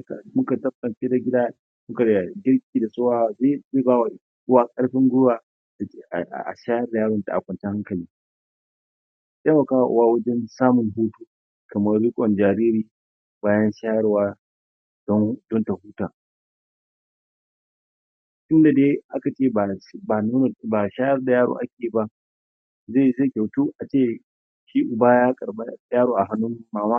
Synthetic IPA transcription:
ka˨mʊ˦ka˨tɐ˦b̚kɐ˨nɸeː˦da˨ɡʲɪ˦da˦ | mʊ˦ka˨ɽa˨ɡʲɪ˦rk̚ʲʼiː˨da˨soː˦waː˦wa˨ze˦˨zeː˦baː˦wa˨ | ʔʊ˦waː˦kʼɐ˦ɽɸɪ˦ŋɡʊ˦waː˨ | da˨˦a˨ʔa̰˨ʃaː˦jɐ˦rda˨jaː˦ɽɔ˨ta̰˨ʔa̰˨kʷɐ˨nt͡ʃɛ˦ha˦ŋkɐ˨liː˦ | ja˦wa˨kaː˦˨ʔʊ̰˨waː˦wɐ˦d͡ʒɛ˦nsaː˦mʊ˨ŋɦuː˦tuː˦ | kɐ˨mɐ˦rɾiː˦kʷʼɔ˨nd͡ʒaː˨ɾiː˦ɾiː˨ | baː˦jɐ˦nʃa˦jɐ˦rwaː˦ | dɔ˦dɔ˦nta˨huː˦taː˨ | ʔɪ˦nda˨deː˦ʔa˦ka˨t͡ʃeː˦˨ba˨nu˦n˨ba˨ʃaː˦jɐ˦rda˨jaː˦ɽo̰˨ʔa˦kʲeː˨ba˦ | ze˦˨ze˦˨kʲa˨wtuː˦ʔa˨t͡ʃeː˦ | ʃiː˦ʔʊ˨baː˦jaː˦kʼɐ˨ɽba˦jaː˦ɽoː˨ʔa˨ɦa˦nːʊ˦mː˦aː˨maː˦

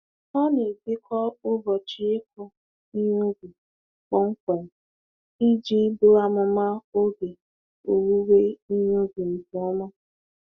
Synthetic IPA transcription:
ɔ˦ne˨bɪ˦kʰɔ˦ʊ˦ɦɔ˨t͡ʃɪ˦ɪ˦k̚ʷɔ˦ | i˦ɲu˦ɡu˨ | k͡pɔ˦ŋ̩˦kʷe˨n̩˨ | i˦d͡ʒi˦bʊ˦a˦mʊ˨ma˦o˦ɡe˨ | o˨wu˦we˦i˦ɲ˦u˦ɡu˨n̩˨tʊ˨ɔ˦ma˦

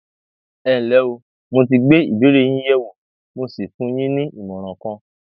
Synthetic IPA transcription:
ɛ̃˨lɛ˨˦o˧ | mo˧t̬i˧ɡ͡be˦ḭ˨bi˨˦ɾe˦˨j̃ĩ˦jɛ˦wo˨ | mo˧si˨fũ˨˦j̃ĩ˦nĩ˦i˨mɔ̃˨ɾ̃ɔ̃˨kɔ̃˧

